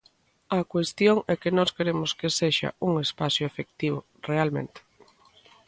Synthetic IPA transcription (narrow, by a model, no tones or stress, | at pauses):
ɐkwest̪joŋɛkenɔskeɾemʊskeseʃa̰uŋespaθjʊefek̚t̪iβʊ | realmḛ̃nt̪e̥